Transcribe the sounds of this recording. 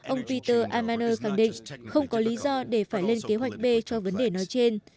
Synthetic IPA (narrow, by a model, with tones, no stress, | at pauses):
ʔə˧wŋ͡mpi˧t̪əː˧ʔaː˧maː˧nəː˧xa˧˩ŋɗḭ˧˨ŋxə˧wŋ͡mkɔ˨˦li˨˦zɔ˧ɗe˧˩faː˧˩jle˧nke˨˦ɦwa˨˩jk̟̚ɓe˧t͡ɕɔ˧və˨˦nɗe˧˨˩nɔ˨˦jt͡ɕe˧n